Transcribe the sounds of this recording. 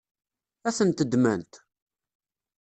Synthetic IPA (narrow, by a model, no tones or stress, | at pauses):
æθənt̪əd̪mæ̰nt̪